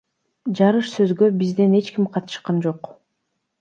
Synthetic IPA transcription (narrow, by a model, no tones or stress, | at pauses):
d͡ʒɑɾɯʃsøzɡø̞bizd̪e̞ne̞t͡ʃkimqʰɑt̪ɯ̥ʃqɑnd͡ʒo̞q